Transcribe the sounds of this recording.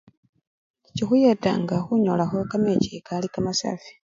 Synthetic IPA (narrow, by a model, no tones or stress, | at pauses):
cixujeta̰ŋɡaxuɲolaxo̞kamecikalikamasa̰ːfi̥